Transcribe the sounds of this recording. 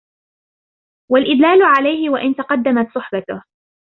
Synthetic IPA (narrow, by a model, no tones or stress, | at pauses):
walʔɪd̪laːlʊʕalajhɪwaʔɪnt̪ɑqɑd̪ːamat̪sˤʊħbat̪ʊh